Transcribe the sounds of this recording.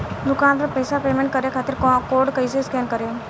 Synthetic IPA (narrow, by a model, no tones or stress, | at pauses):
d̪ʊkaːnpɐɾpəɪsapeːmẽɳʈ̚kɐɾekʰaːt̪ɪɾkːkoːɖkəis̬eskɛːnkəɾeo